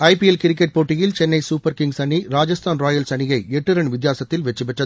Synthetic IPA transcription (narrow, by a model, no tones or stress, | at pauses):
ɐɪpiɛlkɪɾɪkːɛʈ̚poːʈːɪjɪlt͡ʃɛnːɐɪsuːpɐɾkɪŋɡsɐɳiɾaːd͡ʒɐst̪ʰaːnɾaːjɐlsɐɳɪjɐɪɛʈːɯɾɐɳʋɪd̪jaːsɐt̪ːɪlʋɛt͡ʃːɯpɛʈrɐð